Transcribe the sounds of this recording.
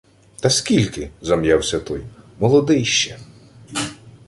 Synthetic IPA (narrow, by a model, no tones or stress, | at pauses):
t̪ɐskʲilʲkɪzɐmjawsʲɐt̪ɔjmɔlˠɔd̪ɪjʃt͡ʃɛ